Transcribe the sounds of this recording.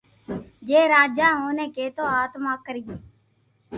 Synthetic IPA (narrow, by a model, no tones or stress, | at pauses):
d͡ʒeːɾaːd͡ʒãːɦoːneːkeːt̪oːaːt̪maːkːəɾiːeː